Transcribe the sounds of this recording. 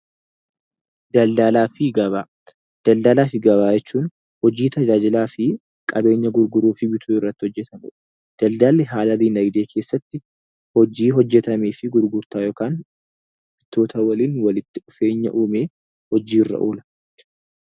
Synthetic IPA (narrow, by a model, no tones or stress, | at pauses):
d̪̥ɐld̪aːlaːfɪɡɐβaː | d̪̥ɐld̪alaːfɪɡɐbaːjɛt͡ʃːuːn | hɔd͡ʒiːt̪ɐd͡ʒaːd͡ʒɪlaːfɪ | kʼɐbe̞ːɲːɐɡʊɾɡʊɾuːfɪbɪt̪ʰuːɪrːɐt̪ːɪ̥hɔd͡ʒːɛt̪ɐmʊ̰ᶑɐ̥ | d̪̥ɐld̪aːlːɛɦaːlɐliːnɐjd̪e̞ːkʰe̞ːsːɐt̪ːɪ | hɔd͡ʒiːɦɔd͡ʒːɛt̪ɐmeːfɪɡʊɾɡʊɾt̪aːjoːkaːn | b̥ɪt̪ːoːt̪ɐwɐliːnwɐlɪt̪ːɪʔʊfe̞ːɲːɐ̰ʔuːmeː | hɔd͡ʒiːrːɐ̰ʔuːlɐ̥